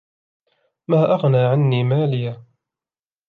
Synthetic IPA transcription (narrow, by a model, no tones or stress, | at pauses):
maːʔaɣnaːʕanːiːmaːlɪjaː